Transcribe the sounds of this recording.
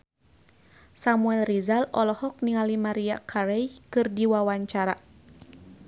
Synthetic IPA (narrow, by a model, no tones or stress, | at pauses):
samuɛlrizalɔlɔhɔk̚niŋalimaɾiakʰaɾɛjkɨrdiwawaɲt͡ʃaɾa